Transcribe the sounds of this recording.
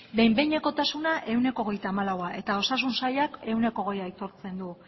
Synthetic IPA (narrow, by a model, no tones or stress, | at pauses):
be̞jmbe̞jɲeko̞t̪asunaʔe̞une̞ko̞ːɣe̞jt̪aːmalawaʔe̞t̪ao̞sasunsajake̞wne̞ko̞ɣ̞e̞jajt̪o̞ɾt͡se̞nd̪u